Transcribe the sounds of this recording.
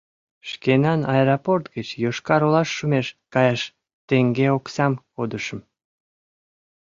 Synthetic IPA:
ʃkenɑnɑeɾoport̪ɡət͡ɕjoʃkɑɾolɑʃːumeʃkɑjɑʃ | t̪eŋɡeoksɑmkod̪əʃə̆m

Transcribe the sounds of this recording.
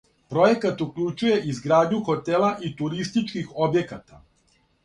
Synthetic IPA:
pɾo̞je̞kat̪ukʎut͡ʃuje̞ʔizɡɾaːd̪ɲuxo̞t̪elaʔit̪uɾist̪it͡ʃkixo̞bje̞kat̪a

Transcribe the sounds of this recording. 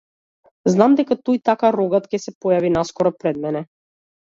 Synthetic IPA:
znamd̪ɛkat̪ɔjt̪akaɾɔɡat̪kʲɛsɛpɔjavinaskɔɾɔpɾɛd̪mɛnɛ

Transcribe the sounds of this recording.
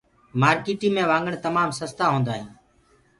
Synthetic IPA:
maːɾkiːʈiːmẽːʋãːŋɡəɳt̪əmaːmsəst̪aːɦõːnd̪aːɦĩː

